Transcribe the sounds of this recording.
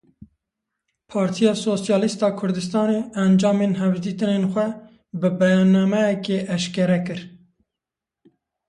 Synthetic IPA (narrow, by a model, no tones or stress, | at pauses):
pʰɑːɾt̪ʰijɑːsoːsjɑːlist̪ɑːkʰʊɾd̪ɨst̪ɑːneːɛnd͡ʒɑːmenɦɛvd̪iːt̪ɨnenxʷɛ | bɨbɛjɑːnːɑmɛjɛkeʔɛʃkɛɾɛkɨɾ